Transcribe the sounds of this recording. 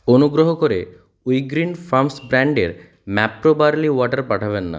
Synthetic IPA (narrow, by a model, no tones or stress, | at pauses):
onuɡɾoɦɔkoɾe | ujɡɾinfʰamsbɾaɳɖeɾ | mɛpːɾobaɾliwɔʈaɾpaʈʰaβenːa̰